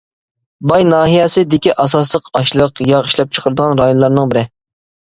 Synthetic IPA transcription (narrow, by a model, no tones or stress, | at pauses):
bɑjnɑːɦijɛsɪd̪ɪkʲiʔɑsɑslˠəqɑʃlˠəqjɑiʃlˠɑp̚t͡ʃʰə̥qʰəɾəd̪əʁɑnɾɑjonlˠɑɾnɨŋbɪɾɪ